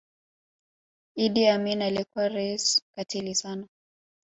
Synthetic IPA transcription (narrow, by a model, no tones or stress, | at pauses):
iɗiaminalɛkwaɾɛiskatʰilisana